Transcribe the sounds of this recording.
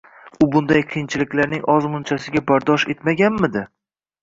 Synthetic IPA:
ʊbʊnd̪ajqʰɨjɪnt͡ʃʰɪlɪkʲlaɾnɪŋʔɒzmʊnt͡ʃʰasɪɡʲabaɾd̪ɒʃe̞t̪maɡʲanmɪd̪ɪ

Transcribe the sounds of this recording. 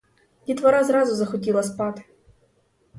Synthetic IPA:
lʲit̪vɐɾazɾazʊzɐxɔtʲilˠɐspat̪

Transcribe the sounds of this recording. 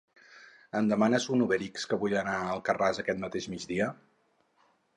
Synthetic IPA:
ənd̪əmanəzunuβɛɾikskəβuʎənaəlˠkərazəkɛt̪mət̪eʒmid͡ʒd̪iə

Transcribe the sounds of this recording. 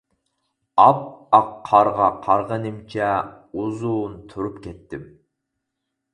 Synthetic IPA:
ɑp̚ɑqʰːɑɾʁɑqʰɑɾʁənɪmt͡ʃʰɛ | uzunt̪ʰuɾupkʲɛt̪ːɪm

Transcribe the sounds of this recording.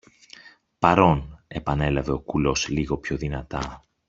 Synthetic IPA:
pɐɾo̞ne̞pɐne̞lɐve̞o̞kulo̞sliɣo̞pço̞ðinɐt̪ɐ

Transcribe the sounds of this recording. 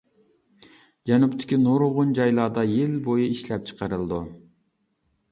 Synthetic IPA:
d͡ʒɛnupt̪ʰɪ̥kʲinoɾoʁʊnd͡ʒɑjlˠɑːd̪ɑjelbojuiʃlɛp̚t͡ʃʰɨ̥qɑɾɨlˠd̪u

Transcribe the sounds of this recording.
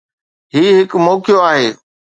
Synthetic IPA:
ɦiːɦɪkmoːkijoaːɦeː

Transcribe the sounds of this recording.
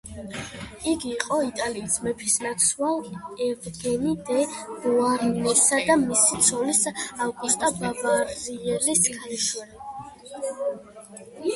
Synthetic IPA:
iɡiːqʼɔit̪ʼaliːsmɛpʰi̥snat̪sʰwalˠɛvɡɛnid̪ɛmuaɾnɛsad̪amisit̪sʰɔlisavɡust̪ʼababaɾiɛliskʰaɛʃwɛli

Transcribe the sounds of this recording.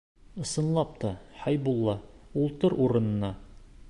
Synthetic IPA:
ɤ̆sɤ̆nlˠɑp̚t̪ɑhɑjbulˠːɑulˠt̪ɤɾuɾɤ̆nɤ̆nɑ

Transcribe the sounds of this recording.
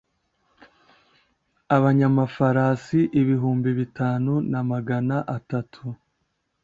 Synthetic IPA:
aβaɲamafaɾaːsiʔiβiɦuːmbiβitʰaːnunamaɡanaʔatatʰu

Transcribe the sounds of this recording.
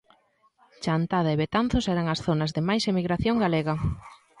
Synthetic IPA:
t͡ʃant̪að̞ɐeβet̪an̟θʊsɛɾɐŋɐsθonɐzðɪmajsemiɣɾaθjoŋɡaleɣɐ

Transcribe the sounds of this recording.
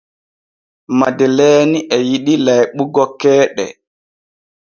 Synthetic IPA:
madɛlɛːniʔɛjiɗilajɓuɡɔkːɛːɗɛ̰

